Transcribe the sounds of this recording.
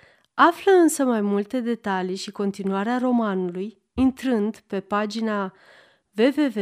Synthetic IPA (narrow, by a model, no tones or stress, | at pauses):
afləɨnsəmajmult̪e̞d̪e̞t̪alijʃiko̞nt̪inuaɾearo̞manuluj | int̪ɾɨnd̪pe̞pad͡ʒina | ve̞ve̞ve